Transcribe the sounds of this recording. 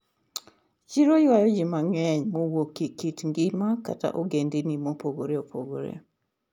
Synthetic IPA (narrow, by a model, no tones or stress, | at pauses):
t͡ʃiɾojwajɔd͡ʒimaŋɛɲmowokikitŋɡimaka̰ta̰ʔoɡendinimopoɡoɾeopʰoɡo̰ɾḛ